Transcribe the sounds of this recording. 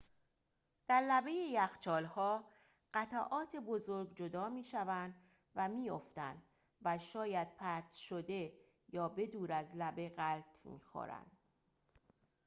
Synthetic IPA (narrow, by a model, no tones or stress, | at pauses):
d̪̥æɾlæbe̞jejæxt͡ʃʰɒːlhɒː | ɢ̥æt̪ʰæʔɒːt̪ʰe̞bo̞zoɾɡd͡ʒod̪ɒːmiːʃævænd̪ | væmiːjoft̪ænd̪ | væʃɒːjæd̪̥̚pʰæɾt̪ʰʃod̪e̞ | jɒːbe̞d̪uːɾæzlæbe̞ɣælt̪ʰmḭːxo̰ɾæ̰nd̪̥